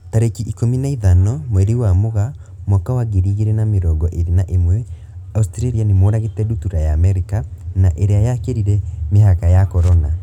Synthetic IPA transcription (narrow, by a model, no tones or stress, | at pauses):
taɾekiʔikominaiðanɔmwɛɾiwamoɣa | mwakawaɣeɾiɣeɾɛnameɾɔɡɔʔeɾinaʔemwɛ | austɾaɾianemoɾaɣetɛdutuɾajaːmɛɾikanaʔeɾeajakeɾiɾɛmeɦakajakɔɾɔna